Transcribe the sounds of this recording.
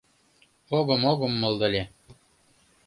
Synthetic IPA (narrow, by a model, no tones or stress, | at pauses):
oɣɤ̆moɣə̆mːɤlˠd̪ɤ̆lʲe